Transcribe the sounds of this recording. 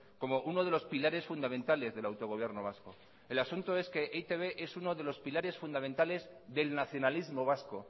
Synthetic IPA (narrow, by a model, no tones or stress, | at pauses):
ko̞mo̞ʔuno̞ðe̞lo̞spilaɾe̞sfund̪ament̪ale̞zðe̞lawt̪o̞ɣ̞o̞β̞je̞ɾno̞βasko̞ | e̞lasunt̪oe̞ske̞ʔet̪eβeʔe̞suno̞ðe̞lo̞spilaɾe̞sfund̪amẽnt̪ale̞z | ðe̞lnaθjo̞nalizmo̞β̞asko̞